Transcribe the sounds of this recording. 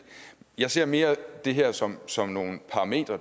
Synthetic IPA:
jɑ̈ɪse̝ɐ̰me̝ːɐd̥e̝ɦɛɐ̰sɒ̽msɒ̽mno̝ːn̩pʰɑ̈ʁɑme̝̰ːd̥ʁɐ

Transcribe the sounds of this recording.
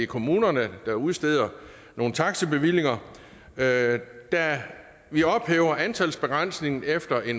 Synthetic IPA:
ikʰo̝muːnɐnəd̥ɑ̈uðˠsd̥e̝ð̰ˠɐ | no̝ːn̩t͡sʰɑ̈ɡ̥səb̥e̝ʋil̰e̝ŋɐ | d̥æ | ʋiɒ̽b̥heːʊɐʔænt͡sʰælsb̥e̝ɡ̥ʁɑn̰sne̝ŋn̩efd̥ɐʔe̝n

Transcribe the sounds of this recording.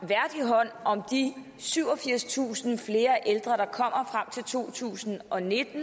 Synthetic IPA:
ʋæɐd̥iɦɒ̽n̰ʔɒ̽md̥i | syʊɒ̽fiɐ̰st͡sʰṵːsn̩fle̝ːɐʔeld̥ʁɐɾ̥ɑ̈kʰɒ̽m̰ɐfʁam̰t͡sʰe̝lt͡sʰo̝̰ːt͡sʰṵːsn̩ʔɒ̽ne̝d̥n̩

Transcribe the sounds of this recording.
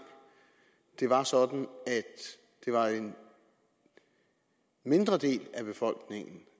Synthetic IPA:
d̥e̝ʋɑ̈sɒ̽d̥n̩æd̥ | d̥e̝ʋɑ̈en | me̝nd̥ʁɐd̥e̝̰ːlæb̥e̝fɒ̽l̰ɡ̥ne̝ŋn̩

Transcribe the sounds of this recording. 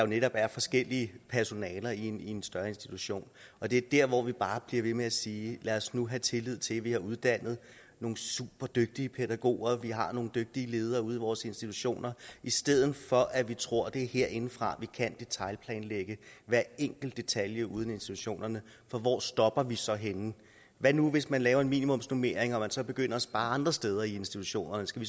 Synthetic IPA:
ɑjo̝neɾɒ̽b̥æɐfɒ̽sɡ̥el̰iəpʰæɐso̝nɛːlɐinie̝nsd̥ɶɐe̝nsd̥it͡sʰuɕo̝̰ːnɒ̽d̥e̝d̥æɐ̰ʋɒʋib̥ɑ̈ːb̥liɐʋe̝meæsiːlæɒsnuɦæt͡sʰe̝lið̞̰ˠt͡sʰe̝lʋihɑ̈ʔuð̞ˠd̥æn̰ð̞̩ˠ | no̝ːŋn̩sṵb̥ɐd̥øɡ̥̚d̥iəpʰed̥æɡ̥o̝̰ːɐʋiɦɑ̈no̝ːŋn̩d̥øɡ̥̚d̥iəle̝ːð̞ˠɐːuð̞ˠiʋɒːse̝nsd̥it͡sʰuɕo̝̰ːnɐʔisd̥eð̞̰ˠn̩fɒ̽ʔæʋit͡sʰʁo̝ɐ̰d̥e̝æhe̝ɐ̰ʔe̝n̩fʁɑ̈ʋikʰænd̥e̝t͡sʰɑ̈ɪlpʰlɛːnleɡ̥əʋæɐeŋ̰ɡ̥l̩d̥ːe̝t͡sʰæljəuð̞ˠne̝nsd̥it͡sʰuɕo̝̰ːnɐnə | fɒ̽ʋɒ̰ːsd̥ɒ̽b̥ɐʋisɒ̽ɦenn̩ | ʋænuʋe̝smænlɛːʊɐe̝nmḭːnimɔ̽m̰snome̝ɐ̰eŋɒ̽mænsɒ̽b̥e̝ɡ̥øn̰ɐsb̥ɑ̈ːɑ̈nd̥ʁɐsd̥eːð̞ˠɐie̝nsd̥it͡sʰu̥ɕo̝̰ːnɐnəsɡ̥æʋi

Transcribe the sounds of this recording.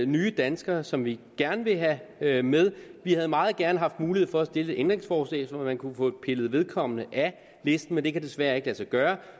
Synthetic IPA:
nyːəd̥ænsɡ̥ɐsɒ̽mʋiɡ̥æɐnəʋe̝ɦæmeð̞ˠʋihæðˠmɑ̈ːð̩ˠɡ̥æɐnəɦɑ̈fd̥muːliheð̰ˠfɒ̽æsd̥e̝ləʔend̥ʁe̝ŋsfɒːslɛ̰ɪsɒmæmænkʰufɔ̰̥̽pʰe̝lð̩ˠʋe̝ð̞ˠkʰɒ̽m̰ənəʔæ | le̝sd̥n̩mend̥e̝kʰæd̥e̝sʋæɐe̝ɡ̥əlæsɐɡ̥ɶːɐ

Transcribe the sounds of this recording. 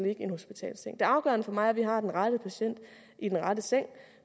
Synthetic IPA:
le̝ɡ̥əe̝nho̝sb̥it͡sʰɛ̰ːlseŋd̥e̝ɑ̈ʊɡ̥ɶ̰ɐnəfɒ̽mɑ̈ɪæɐʋiɦɑ̈d̥enʁad̥əpʰæɕen̰d̥ | id̥enʁɑdəseŋ̰

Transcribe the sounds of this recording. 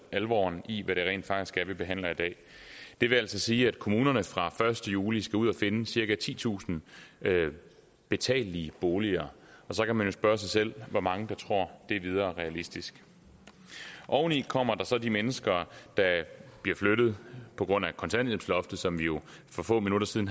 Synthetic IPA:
ælʋɒ̰ːniʋæɾe̝ʁḛːnd̥fɑ̈ɡ̥d̥isɡ̥æɐʋib̥e̝ɦæn̰lɐid̥ɛ̰ː | d̥e̝ʋe̝æl̰sɒ̽siːæd̥̚kʰo̝muːnɐnəfʁɑ̈fɶɐsd̥əjuːlisɡ̥æuð̞̰ˠæfe̝nəsiɐɡ̥æt͡sʰḭːt͡sʰṵːsn̩ | b̥e̝t͡sʰɛ̰ːliːb̥o̝ːliɐ | ɒ̽sɒ̽kʰæmænjo̝sb̥ɶɐs̬ɑɪsel̰ʋɒmɑ̈ŋəd̥ɑ̈t͡sʰʁo̝ɐ̰d̥e̝ʋið̞ˠɐːʁɛælisd̥isɡ̥ | ʔɒʊnikʰɒ̽m̰ɐd̥ɑ̈sɒ̽d̥imenəsɡ̥ɐd̥ɑ̈b̥liɐfløɾ̥ð̩ˠpʰɒ̽ɡ̥ʁɔ̽n̰ækʰɒ̽nt͡sʰæn̰d̥emsʰlɒ̽fd̥ð̩ˠsɒ̽mʋijo̝fɒ̽fɔ̰ːminuɾɐsiðˠn

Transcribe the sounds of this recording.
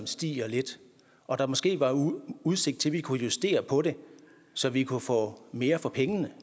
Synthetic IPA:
msd̥ḭːɒ̽le̝d̥ | ɒ̽d̥ɑ̈mɒ̽sɡ̥e̝̰ːʋɑ̈uðˠse̝ɡ̥̚d̥̚t͡sʰe̝lʋikʰujusd̥e̝̰ːɐpʰɒ̽ɾe̝ | sɒ̽ʋikʰufɔ̰̽ːme̝ːɐfɒ̽pʰeŋənə

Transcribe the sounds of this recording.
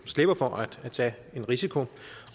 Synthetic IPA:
sle̝b̥ɐfɒʔæd̥æt͡sʰɛ̰ː | e̝nʁisikʰo̝

